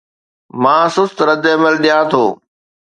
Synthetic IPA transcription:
mãːsʊst̪ɾəd̪eːməlɗɪjãːt̪ʰoː

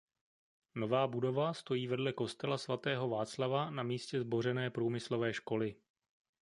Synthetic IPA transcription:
no̞vaːbudo̞vast̪o̞jiːvɛdlɛko̞st̪ɛlasvat̪ɛːɦo̞vaːt͡slavanamiːscɛzbo̞ɾɛnɛːpɾuːmɪslo̞vɛːʃko̞lɪ

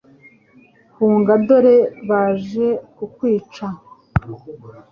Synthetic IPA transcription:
huːŋɡado̞ɾe̞βaːʒe̞kukwiːt͡ʃa

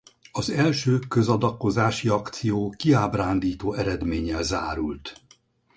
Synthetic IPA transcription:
ɒzɛlʃøːkøzɒd̪ɒkːo̞zaːʃiɒkt̪sijoːkiaːbraːnd̪iːt̪oːɛɾɛd̪meːɲɛlzaːɾult̪

